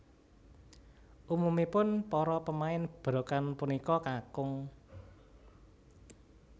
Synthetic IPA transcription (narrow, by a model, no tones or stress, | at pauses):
ʔumumipʊnpɔɾɔpəmaɪnb̥ɾokanpunikɔkakʊŋ